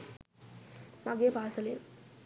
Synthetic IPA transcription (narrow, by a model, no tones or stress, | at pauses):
maɡepaːsɐlḛ